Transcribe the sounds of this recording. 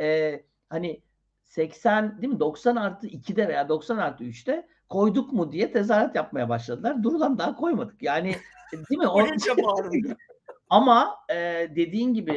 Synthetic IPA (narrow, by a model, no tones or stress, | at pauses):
ɛː | hanɪ | sɛcsænd̪imid̪o̞ksanaɾt̪ʰɯicʰid̪ɛve̞jaːd̪o̞ksanaɾt̪ʰɯyt͡ʃt̪ʰɛ | kʰo̞jd̪ukmud̪ijɛt̪ʰe̞z̬aːɾat̪jap̚majabaʃlˠad̪ɯlˠaɾd̪uɾud̪ˠand̪aɦakʰo̞jmad̪ɯ̥kjaːnɪd̪imioaa | amaɛːd̪e̞d̪iːnɟibi